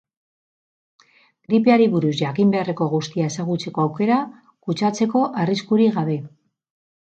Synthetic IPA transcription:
ɡɾipe̞aɾiβuɾuzʝakimbe̞are̞ko̞ɣust̪iae̞saɣut͡se̞ko̞awke̞ɾa | kut͡ʃat͡se̞ko̞ʔariskuɾiɣaβe̞

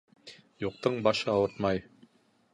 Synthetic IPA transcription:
juq̚t̪ɤɴbɑʃɤɑwɤɾt̪mɑj

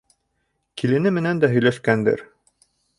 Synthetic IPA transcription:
kilɘ̆nɘmɘ̆nænd̪æɦɵ̆jlæʃkænd̪ɘ̰ɾ

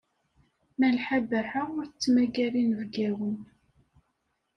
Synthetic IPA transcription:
mælħabæħaʊɾt͡sːmæɡælinvɡæwən

